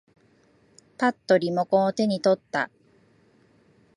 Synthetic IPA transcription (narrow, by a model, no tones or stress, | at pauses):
pat̪ːo̞ɾʲimo̞kõt̪e̞ɲ̟it̪o̞t̪ːa̰